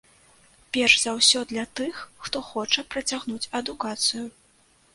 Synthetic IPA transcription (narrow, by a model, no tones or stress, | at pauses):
pʲɛrʂz̥awsʲɔd̪lʲɐt̪ɨxːt̪ɔxɔt͡ʂɐpɾɐt͡sʲaɣnut͡sʲɐd̪ukat̪sɨju